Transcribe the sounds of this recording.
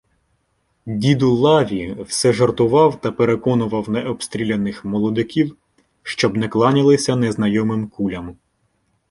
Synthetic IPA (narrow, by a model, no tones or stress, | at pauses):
dʲid̪ʊlˠɑʋʲiwsɛʒɐrt̪ʊʋɑwt̪ɐpeɾekɔnʊʋɐwnɛʔɔpst̪ɾʲilʲenɪxmɔlˠɔd̪ɪkʲiw | ʃt͡ʃɔbnɛklˠɑnʲɪlˠɪsʲɐnɛznɐjɔmɪmkulʲɐm